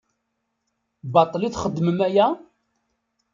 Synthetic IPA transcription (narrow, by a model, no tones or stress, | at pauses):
bɑt̪ˤːliθχəd̪ːməmæjæ